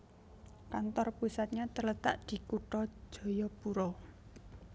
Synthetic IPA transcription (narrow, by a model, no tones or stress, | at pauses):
kant̪ɔrpusat̪̚ɲat̪ələt̪a̰ʔd̪̥i̤kuʈɔ̥d͡ʒʒ̥ɔ̤jɔpuɾɔ